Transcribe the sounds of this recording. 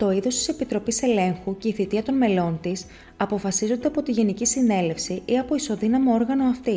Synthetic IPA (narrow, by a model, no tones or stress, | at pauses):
t̪o̞iðo̞st̪i̥se̞pit̪ɾo̞pise̞le̞ŋxuce̞iθit̪iɐt̪o̞nme̞lo̞nt̪is | ɐpo̞fɐsizo̞nd̪eɐpo̞t̪iʝe̞nicisine̞le̞fsiʔiɐpo̞iso̞ðinɐmo̞o̞ɾɣɐno̞ɐft̪i